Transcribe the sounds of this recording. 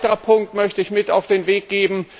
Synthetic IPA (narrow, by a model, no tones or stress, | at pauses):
təʁɐpʰʊŋk̚tmœçtəɪçmɪtaʊfd̥eːnveːk̚ɡ̥eːbm̩